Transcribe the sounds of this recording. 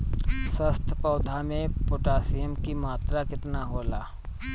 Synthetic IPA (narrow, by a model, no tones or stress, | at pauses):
səst̪ʰpɔːd̪ʱamẽpʊʈaːsijəmkimaːt̪ɾakɪt̪naɦoːlaː